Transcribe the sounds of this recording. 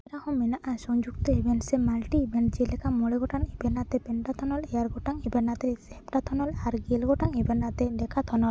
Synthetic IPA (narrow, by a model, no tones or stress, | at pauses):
ɾahɔ̃mɛnaʔasɔŋd͡ʒuɡ̚t̪ɔɛbʱɛnsɛmalʈibʱɛnd͡ʒelɛkamɔɭɛɡɔʈaŋibɛnat̪ɛpɛɳʈat̪ʰɔnɔlɛjaɾɡɔʈaŋɛbɛnat̪ɛsɛpʈat̪ʰɔnɔlaɾɡelɡɔʈaŋɛbɛɾnat̪ɛdɛkʰat̪ʰɔnɔl